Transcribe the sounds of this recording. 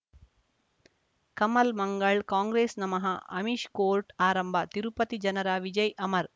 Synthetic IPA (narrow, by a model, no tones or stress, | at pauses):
kɐmɐlmɐŋɡɐɭkaːŋɡɾeːsnɐmɐɦɐɐmiʃkoːɾʈaːɾɐmbʱɐt̪iɾupɐt̪id͡ʒɐnɐɾaːʋid͡ʒɐjʔɐmɐɾ